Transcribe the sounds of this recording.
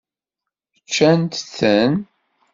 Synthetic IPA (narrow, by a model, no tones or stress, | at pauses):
ət͡ʃːænt̪θən